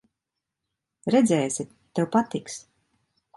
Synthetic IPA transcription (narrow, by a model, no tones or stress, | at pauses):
ɾɛd̪zʲɛːjsʲit̪ːewpat̪iks